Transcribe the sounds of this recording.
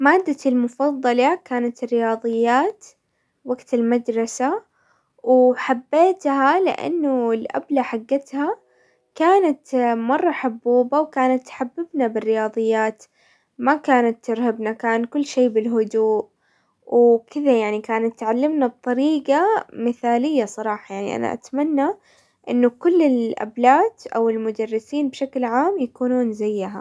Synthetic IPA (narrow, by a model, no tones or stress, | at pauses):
maːd̪ːalmʊfɑðˤːɑlakaːnat̪ɪrːɪjɑːðˤɨjːaːt̪ | waɡt̪ɪlmad̪ɾˤɑsa | wħabːeːt̪halɪ̰ʔa̰nːʊɪlʔa̰blaħaɡːat̪ha | kaːnat̪mɑrˤːɑħabːuːbawkaːnat̪ːħabːɪbnabɪrːɪjɑːðˤɨjːaːt̪ | makaːnat̪ːɪɾhabnakaːnkʊlːʃeːbɪlɦʊd̪uːʔ | wkɪðajaʕnikaːnat̪ːʕalːɪmnab̚t̪ˤɑɾiːɡamɪθaːlɪjːasˤɑɾˤɑːħɑjaʕnḭʔa̰na̰ʔa̰t̪manːa | ʔɪnːʊkʊlːɪlʔa̰blaːt̪ʔawɪlmʊd̪arːɪsiːnbʃaklʕaːmjakuːnuːnzajːɪɦa̰